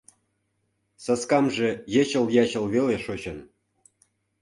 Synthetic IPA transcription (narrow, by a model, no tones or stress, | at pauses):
sɑskɑmʒĕjĕt͡ɕə̆ljɑɕə̆lβeleʃot͡ɕɤ̆n